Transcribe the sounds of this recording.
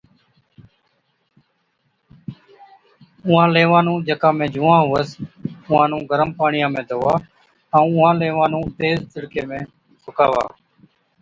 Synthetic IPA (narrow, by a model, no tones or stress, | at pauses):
ʊãːleːʋãːnũːd͡ʒekãːmẽːd͡ʒuːãːɦʊːəsʊɦãːnũːɡʱəɾəmpaːɳɪjãːmẽːt̪oːʋaː | əũːʊɦãːleːʋãːnũːt̪eːzt̪ɪɽkeːmẽː | sʊkaːʋa̰ː